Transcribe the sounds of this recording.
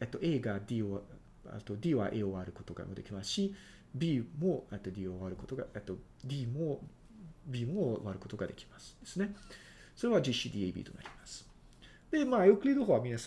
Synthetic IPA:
et̪ːoʔe̞ːɡad̪ʲio | a̰t̪ːo̞d̪ʲiːβa̰ʔeːoβaɾɯ̟ko̞̥t̪o̞ɡa̰mod̪e̞kʲimasɨ̥ɕi | bʲiːmoet̪ːod̪ʲiːoβaɾɯ̟kot̪oɡaet̪ːo̞ | d̪ʲiːmo | bʲiːmoβaɾɯ̟ko̞t̪o̞ɡad̪e̞kʲi̥masɨ̥d̪̥e̞̥sɨne̞ | so̞ɾe̞βad͡ʑiɕid̪ʲiːeibʲḭːt̪o̞̰na̰ɾʲimasɨ̥ | d̪̥e̞maːjokɯ̟ɾʲid̪oɦoːβamʲĩnas

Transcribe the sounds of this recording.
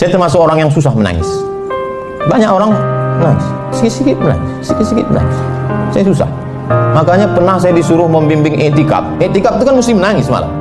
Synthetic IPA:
sajat̪ərmas̬ʊkoɾaŋjaŋsusahməna̰ŋɪ̰s | baɲakoɾaŋmənaŋɪ̰s | sikɪt̪sikɪt̪̚məna̰ŋɪssikɪt̪sikɪt̪̚mə̰na̰ŋɪssajasusa̰h | makaɲapərnahsajadisuɾʊhməmbimbɪŋʔɛ̰ʔt̪ika̰p̚ɛʔt̪ikap̚t̪ukanmust̪ɪhmənaŋɪsma̰la̰

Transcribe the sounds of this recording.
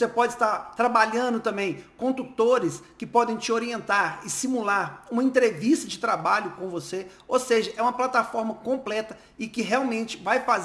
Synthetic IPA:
osepɔd͡ʒɪst̪aɾt̪ɾabaʎɐ̃nd̪ʊt̪ɐ̃mbẽj̃kõnd̪ut̪oɾɪskɪpɔd̪ẽj̃t͡ʃɪoɾiẽnt̪aɾɪsimulaɾũmɐẽnt̪ɾevist̪ɐd͡ʒɪt̪ɾabaʎʊkõvose | owseʒɐʔɛũmɐplat̪afɔɾmɐkõmplɛt̪ɐ | ɪkɪɦeawmẽnt͡ʃɪ̥vajfaz

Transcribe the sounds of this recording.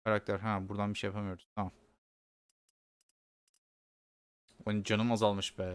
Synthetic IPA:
aɾak̚t̪ʰæɾɦæ̃buɾd̪anbiʃejapʰamɯjo̞ɾd̪ut̪ʰamam | ond͡ʒanɯmazalˠmɯʃbæː

